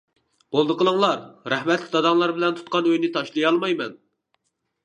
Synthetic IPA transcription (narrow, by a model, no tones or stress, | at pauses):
b̥olˠd̪əqʰəlˠəŋlˠɑɾɾɛhmɛt̪lɪk̚ʲd̪ɑd̪ɑŋlˠɑɾbɪlɛnt̪ʰu̥t̪̚qʰɑnøjnɪt̪ʰɑʃlˠɨjɑlˠmɑjmɛn